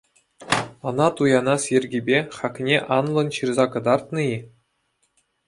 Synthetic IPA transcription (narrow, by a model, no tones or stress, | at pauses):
ɤ̆nɑt̪ujɑnɑsjerʲɡʲibʲeχɑkʲnʲeʔɑnlˠɤ̆nɕɯrzɑkɤ̆d̪ɑrt̪nɤ̆i